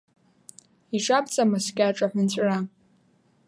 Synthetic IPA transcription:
iʈ͡ʂʼapt͡sʼamaskʲʼaʈ͡ʂʼaħʷᶣant͡ɕʷʼra

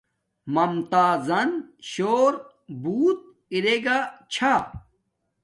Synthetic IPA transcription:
mɐmt̪aːzɐnɕoːɾ | buːt̪̚ | iɾeɡat͡ɕʰa

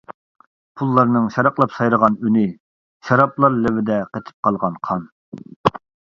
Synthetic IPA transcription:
pʰulˠːɑɾnɨŋʃɑɾɑqlˠɑpsɑjɾəʁɑnynɪ | ʃɑɾɑplˠɑɾlɪvɪd̪ɛqet̪ʰɪ̥p̚qʰɑlˠʁɑnqʰɑn

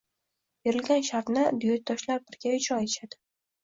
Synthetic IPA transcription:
b̥eɾɪlɡʲanʃaɾt̪nɪd̪ʊjɒt̪̚d̪ɒʃlaɾpʰɪɾɡʲaʊt͡ʃʰɒjɪʃad̪ɪ

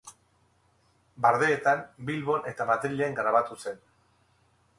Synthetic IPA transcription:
baɾðe̞ːt̪ambilβo̞ne̞t̪amaðɾiʎeaŋɡɾaβ̞at̪use̞n

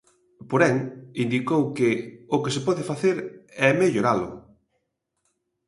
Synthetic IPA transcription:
poɾɛŋind̪ikowkɪʊkesɪpɔðɪfaθeɾɛmeʎoɾalʊ̰

